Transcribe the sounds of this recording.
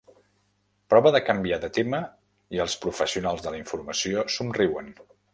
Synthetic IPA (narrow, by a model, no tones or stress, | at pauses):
pɾɔβəðəkəmbiaðət̪emə | iəlˠspɾufəsiunalˠzðələiɱfuɾməsiosumriwən